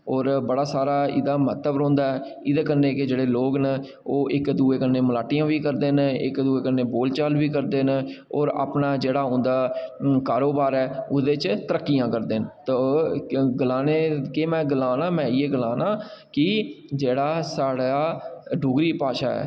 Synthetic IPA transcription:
ɔːɾbəɽaːsaːɾaːɪ̰d̪aːmət̪əbɾõːnd̪aːɛː | ɪd̪eːkənːeːkɪd͡ʒeːɽeːloːɡnə | oːʔɪkd̪uːeːkənːeːməlaːʈɪjãːʋiːkəɾd̪eːnɪkd̪uːeːkənːeːboːlt͡ʃaːlʋiːkəɾd̪eːn | ɔːɾa̰ːpnaːd͡ʒeːɽaːɦʊ̃nd̪aːkaːɾoːbaːɾɛːʊd̪eːt͡ʃt̪əɾəkːijãːkəɾd̪eːnt̪oːɡəlaːneːkeːmɛ̃ːɡəlãːnãːmɛ̃ːɪeːɡəlaːnãːkɪd͡ʒeːɽaːsaːɽaːɖʊːɡɾiːpaːʃa̰ːɛ̰ː

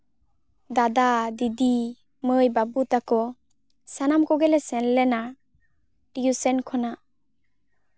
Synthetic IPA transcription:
d̪ad̪ad̪id̪i | mɯjbabut̪akɔ | sanamkɔɡɛlɛsɛnlɛna | ʈijusɛnkʰɔna

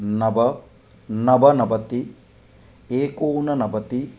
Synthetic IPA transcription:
nɐbɐ | nɐbɐnɐbɐt̪i | eːkoːnɐnɐbɐt̪i

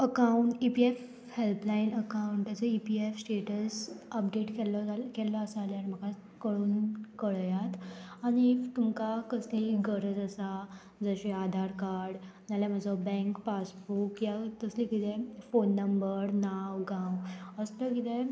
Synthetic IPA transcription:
əkauɳʈipief | helplainəkauɳʈt̪jat͡səipiefsʈeʈəsəp̚ɖeʈkɛlkɛləəsaljanim̤əka | kəɭuːnkəɭjat̪aɽ̃it̪umkakəsliːɡəɾəd͡zəsa | d͡zəɕead̪ʱaɾkaɾɽnaljaməd͡zɔbɛ̃ŋkpasfukjat̪əsliːkit̪ɛfonːəmbəɾnawɡãwəst̪əkit̪ɛ

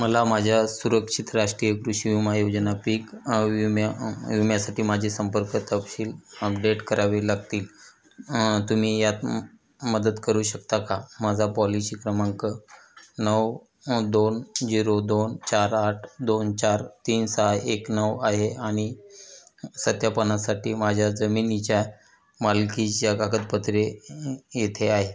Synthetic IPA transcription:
məlamad͡ʑʱjasuɾəkʂit̪ɾaʂʈɾijəkɾuɕiimajod͡znapiːkʋimaʋimjasaʈiːmad͡ʑʱisəmpəɾkət̪əpɕiːləp̚ɖeʈkəɾaʋelaɡt̪iːl | t̪um̤iːjat̪ | məd̪əd̪kəɾuːɕəkt̪akamad͡zʱapɔlisiːkɾəmãŋkənəw | d̪ond͡ziɾod̪ont͡ɕaɾaʈʰd̪ont͡ɕaɾt̪iːnsaeknəʋaɦeaɽ̃i | sət̪japənasaʈʰiːmad͡ʑʱjad͡zəmiːnit͡ɕja | malkijakaɡət̪pət̪ɾejet̪ʰeaɦe

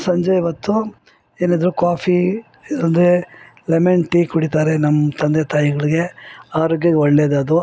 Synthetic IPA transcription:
sɐɲd͡ʒɐjiʋɐt̪ːu | e̞ːnid̪ɾukaːpʰi | ond̪e | lemeɳʈikuɽit̪aːɾenɐmːɐt̪ʰɐnd̪eɐt̪aːjiɡɐɭiɡe̞aːɾoːɡjɐɡeɔɭːeːd̪ɐd̪u

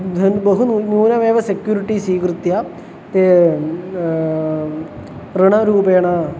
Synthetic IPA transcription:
d̪ʱɐnbɐɦununuːnɐʋeːʋɐsekjuːɾiʈːisiːkrɨt̪ja | t̪e | riɳɐɾuːbeːɳa

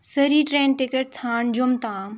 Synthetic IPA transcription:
sɐɾiʈɾẽːnʈɪkəʈ̚t͡sʰãːɳd͡ʑomt̪ãː

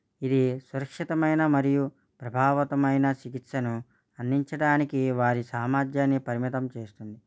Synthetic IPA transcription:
id̪isuɾɐkʂit̪ɐmɐjnɐmɐɾiju | pɾɐbʱaːʋɐt̪ɐmɐjnɐt͡ʃikit̪sɐnu | ɐnːiɲt͡ʃɐɽaːnikiʋaːɾisaːmaːd͡ʒ̪jaːnːipɐɾimit̪ɐmt͡ʃe̞ːst̪und̪i

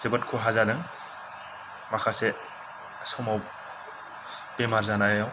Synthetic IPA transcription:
z̥ebɔtkʰuɦazadaŋ | maxʰasɛ | sɔmaw | pɛmaɹzanajaw

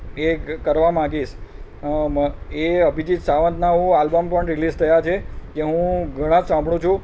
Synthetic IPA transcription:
ekəɾʋamãɡiʃ | eəbʱid͡ʒid͡ʒsaʋə̃nd̪naɦũalbəmpəɳɾilizt̪ʰəjat͡ʃʰekeɦũɡʱəɽ̃ãd͡ʒsãmbʱɽũt͡ʃʰũ

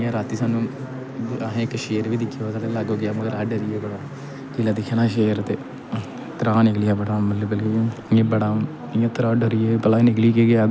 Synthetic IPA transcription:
ãːɾaːt̪iːsaːnːũː | aɦẽːɪkːʃeːɾʋiːd̪ɪkʰːeːaːsaːt̪eləɡoːɡɪjaːməɡəɾaːɖəɾɪjeːɡəɽaː | kiːlaːd̪ɪkʰːeːnãːʃeːɾt̪eː | t̪əɾaːnɪklɪjaːbəɽaːmələbəliẽːbəɽaː | jãːt̪əɾaːɖəɾɪjeːpəlaːinɪkliːkeːɡɪaː

